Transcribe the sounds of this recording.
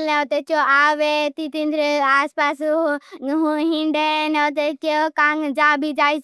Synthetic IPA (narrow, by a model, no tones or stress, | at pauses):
lot̪et͡ʃoaːʋet̪it̪ĩnd̪ɾaːspaːs | ɦũɦɪ̃ɳɖenɛot̪et͡ʃokãːŋd͡ʒaːbʱid͡ʒaːis